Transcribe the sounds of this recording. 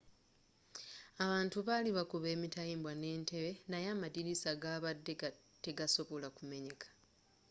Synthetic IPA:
aβaːntuβaːliβakuβe̞ːmitajiːmbwane̞ːnte̞βe̞najaːmadiɾisaɡaːβadːe | te̞ɡaso̞βo̞lakume̞ɲe̞kʰḁ

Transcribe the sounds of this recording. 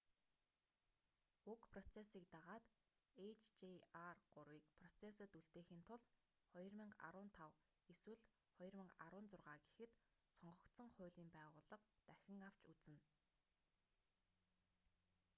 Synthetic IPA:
ukpʰrɔt͡sʰesiːk̚t̪aʁaːt̪ | et͡ɕʰt͡ɕiarɢ̥ʊɾwiːkpʰrɔt͡sʰesə̆t̪uɮt̪eːxiːnt̪ʰʊɮt̪ | χɔjɞ̆rmĭɴɢa̰ɾʊːnt̪ʰaw | eswɘ̆ɮ | χɔj̆rmə̆ɴɢa̰ɾʊːnt͡sʊrʁaːɡe̥xɘ̆t̪ | sʰɔɴɢɞ̆kt̪sɞ̆ŋχʊːɮʲiːmpæːʁʊːɮə̆qt̪æxʲɪ̆ŋaw̥t͡ɕut͡sɘ̆n

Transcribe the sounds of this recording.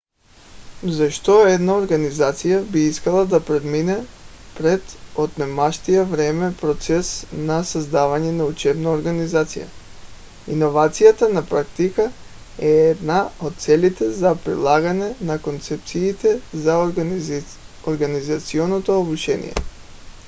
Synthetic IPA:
zaʃt̪oɛd̪naoɾɡanizat̪sijabiiskalˠad̪apɾɛd̪minɛ | pɾɛd̪ot̪nɛmaʃt̪ijavɾɛmɛpɾot̪sɛsnasazd̪avaɲɛnaut͡ʃɛbnaoɾɡanizat̪sḭja̰ | inovat̪sijat̪anapɾak̚t̪ika | ɛɛd̪naot̪̚t̪sɛlit̪ɛzapɾḭlˠaɡanɛnakont̪sɛp̚t̪siːt̪ɛza | oɾɡanizat̪sionot̪oobut͡ʃɛnḭjɛ̰

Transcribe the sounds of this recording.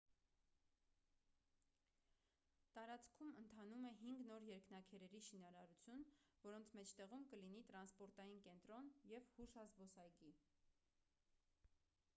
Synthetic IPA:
t̪ɑɾɑt͡skʰumənt̪ʰɑnumɛɦiŋɡnɔɾjɛɾknɑkʰɛɾɛɾiʃinɑɾɑɾut͡sʰjunvɔɾɔnt͡sʰmɛt͡ʃʰt̪ɛʁumkəlinit̪ɾɑnspɔɾt̪ɑjinkɛnt̪ɾɔnjɛvhuʃɑzbɔsɑjɡi

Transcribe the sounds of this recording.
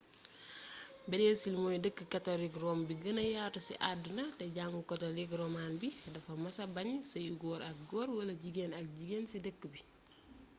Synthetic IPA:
bɛdɛːnsilmojdəkːəkɐtolikɾɔːmbiɡənɐjaːtusiʔadunɐtɛɟaːŋɡukɔtolikɾɔmaːnbidɐfɐmɐsɐbɐɲsɐjuɡɔːɾɐk̚ɡɔːɾwɐlɐɟiɡeːnɐk̚ɟiɡeːnsidəkːəbi

